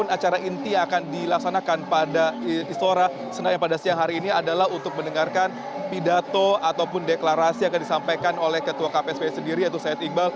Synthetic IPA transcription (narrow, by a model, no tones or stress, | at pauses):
ʊnat͡ʃaɾaʔint̪iakandilaksanakanpadadist̪oɾa | sənaŋjapadasiaŋɦaɾiːniadalaɦunt̪ʊk̚məndəŋarkan | pidat̪oat̪awpʊndeklaɾasiakandisampajkanolɛhkət̪uakapeɛspesəndiɾiat̪usajat̪imbal